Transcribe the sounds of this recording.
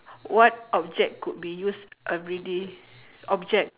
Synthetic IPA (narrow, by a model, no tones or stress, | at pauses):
wɔt̚ɔp̚d͡ʒɛk̚kut̚bijusʔɛvɹide | ɔp̚d͡ʒɛk̚